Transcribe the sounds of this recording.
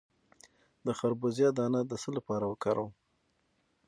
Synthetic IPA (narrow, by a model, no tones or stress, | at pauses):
d̪əxaɾbozjɑd̪ɑnad̪əsəlapɑɾawəkɑɾʔaw